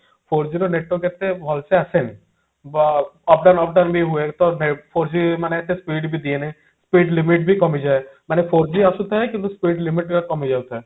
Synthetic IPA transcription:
pʰoɾd͡ʒiɾoneʈːokɛt̪ebʱɔlseasen | bɔp̚ɖanɔp̚ɖanbʱiɦuekt̪ɔnepʰoɾd͡ʒimanekɛt̪espiːɖbʱid̪ienɛ | spiːɖlimiʈ̚bʱikɔmid͡ʒaemanepʰoɾd͡ʒiɐsut̪aɦɛkĩnt̪uspiːɖlimiʈkakɔmid͡ʒawt̪ʰɛ

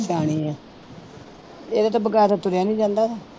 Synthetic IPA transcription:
t͡ʃaːɽ̃iːɛ̃ː | eːd̪aːt̪ãːbəɡaːt̪ãːt̪ʊɾaːnĩːd͡ʒãːnd̪aːt̪aː

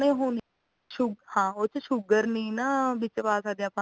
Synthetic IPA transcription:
nẽːɦoːn | ʃʊɡhãːoːt͡ʃəʃʊɡəɾnĩːnabɪt͡ʃpaːsaːd̪ẽapã

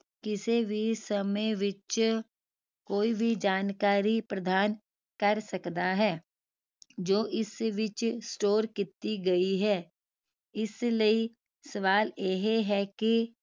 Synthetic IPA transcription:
kɪsebʱisəmeʋɪt͡ʃ | koːibʱid͡ʒaːnkaːɾipɾəd̪ʱaːn | kɐɾsɐkd̪aɦɛː | d͡ʒoːʔɪsʋɪt͡ʃsʈoːɾkɪt̪iɡɐiɦɛː | ɪsləi | səʋaːleɦeɦɛki

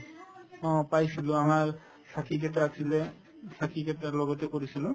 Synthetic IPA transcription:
ɔ̃pajsilʊ̃amaɹ | sakʰikɛtaːsʰilɛ | sakʰikɛtalɔɡɔtɛkoɹisilʊ̃

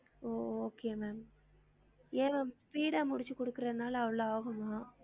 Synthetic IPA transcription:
oːoːkeːmeːm | eːmeːmpiːɽɐmʊɽɪt͡ʃːɯkːɔɽɯkːɯɾɐðɯnaːlɐːʋɐɭoaːɣɯmaː

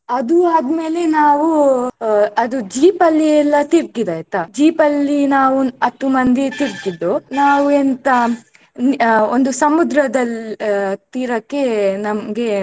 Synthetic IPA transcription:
ɐd̪uaːd̪me̞ːle̞naːʋu | ɐd̪ud͡ʒiːpɐlːiɛlːɐt̪iɾɡid̪ɐjt̪ːɐd͡ʒiːpɐlːinaːʋuɐt̪ːumɐnd̪it̪iɾɡid̪ːonaːʋuent̪ɐ | nond̪usɐmud̪ɾɐd̪ɐl | t̪iːɾɐkːe̞nɐmɐɡe̞

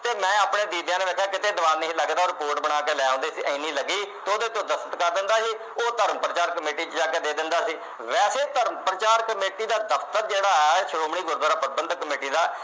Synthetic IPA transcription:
t̪eːmɛ̃ːaːpɳeːd̪iːd̪jãːneːʋɛːkʰaːkɪt̪eːnəʋaːniĩːləɡd̪aːɔːɾɪpoːɾʈbəɽ̃aːkeːlɛːõːnd̪eːsiːʔə̃iːniːləɡiːt̪eːod̪eːt̪õːd̪əsət̪kəɾd̪ɪnd̪aːɦiː | oːt̪əɾməpɾət͡ʃaːɾkəmeːʈiːt͡ʃd͡ʒaːkeːd̪eːd̪ɪnd̪aːsiː | ʋɛːseːt̪əɾmpɾət͡ʃaːɾkəmeːʈiːd̪aːd̪əpʰt̪əɾd͡ʒeːɽaːɛʃəɽoːmɳiːɡʊɾɡ̪ɾaːpəɾ̚bənd̪kəmeːʈiːd̪aː

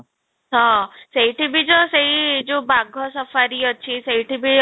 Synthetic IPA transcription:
ɦɔ̃sejʈʰibid͡ʒɔsejd͡ʒobaɡʱɔsɔfaɾiɔt͡ʃʰisejʈʰibi

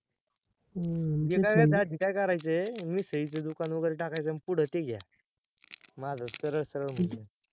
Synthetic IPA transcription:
ɡekajkad̪ad̪ʱikajkəɾajt͡semiːsəit͡səd̪ukanʋəɡəɾeʈakajt͡səmpuɽ̤ət̪eɡja̰ | mad͡zasəɾəɭsəɾəɭm̤əɳe

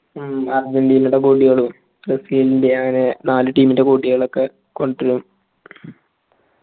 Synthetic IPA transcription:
ard͡ʑɐnɖijinuɽekuːʈːiɣɐɭum | presiːlindeɐŋːɐne̞naːlɨʈiːminde̞kuːʈːiɣɐɭokːe | ko̞ɳɖiɾum

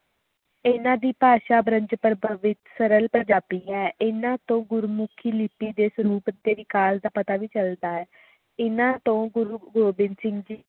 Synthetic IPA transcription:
ɪnãːd̪iːpaːʃaːbɾəɲd͡ʒpəɾbəʋɪt̪səɾəlpənd͡ʒaːpiːɛːʔɪnãːt̪õːɡʊɾmʊkʰiːlɪpiːd̪eːsəɾuːpt̪eːʋiːkaːld̪aːpət̪aːʋiːt͡ʃəld̪aːɛː | ɪnãːt̪õːɡɾɡoːbɪnsɪŋɡd͡ʒiː

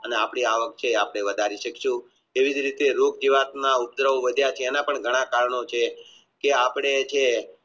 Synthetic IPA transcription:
əneapɽ̃iaʋək̚t͡ʃʰeapɳ̃eʋəd̪ʱaɾiʃəkʃũ | eʋid͡ʒɾit̪eɾokd͡ʒiʋat̪naup̚d̪ɾəʋoʋəd̪ʱjat͡ʃʰeːnapəɳɡʱəɽ̃ãkaɾɳot͡ʃʰe | keapɳ̃et͡ʃʰe

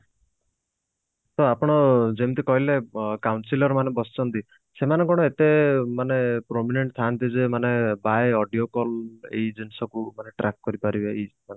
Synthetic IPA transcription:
t̪ɔapɔɽ̃ɔd͡ʒemt̪ikɔɦilekawnsilɔɾmanebɔsi̥t͡ʃʰɔnt̪i | semanekɔɽ̃ɔet̪emanepɾomineɳʈt̪ʰant̪izemanebajɔɖijokɔlḛid͡ʒensɔkumaneʈɾak̚kɔɾipaɾibeimane

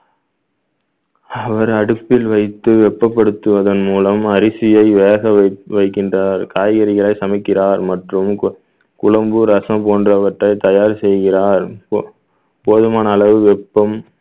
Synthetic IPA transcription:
ɐʋɐɾɐɽɯpːɪlʋɐɪt̪ːɯʋɛpːɐpːɐɽɯt̪ːɯʋɐðɐnmuːlɐmɐɾɪsɪjɐɪʋeːɣɐɐʋɐɪkːɪndraːɾkaːjɣɐɾɪɣɐɭɐɪsɐmɐɪkːɪraːɾmɐʈrɯm | kʊlɐmbɯɾɐsɐ̃poːndrɐʋɐʈrɐɪt̪ɐjaːɾsɛjɣɪraːɾ | poːðɯmaːnɐːlɐʋɯʋɛpːɐm

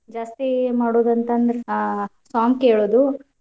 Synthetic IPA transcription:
d͡ʒaːst̪imaːɽoːd̪ɐnt̪ɐːnd̪ɐɾesaːŋɡkeːɭoːd̪u

